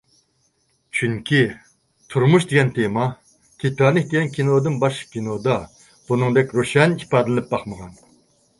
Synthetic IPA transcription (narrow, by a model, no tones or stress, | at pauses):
t͡ʃʰyŋkʲʰi | t̪ʰuɾmuʃd̪eɡʲɛnt̪ʰemɑ | kʲʰit̪ɑnɨk̚ʲd̪eɡʲɛnkʲʰinod̪ɨnbɑʃkʲinod̪ɑ | b̥unɨŋd̪ɛkʲɾoʃɛnipɑːd̪ɨlɨnɨp̚bɑχməʁɑn